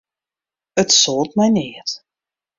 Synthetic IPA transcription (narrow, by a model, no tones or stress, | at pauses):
ətsɔlˠtmɛjneːt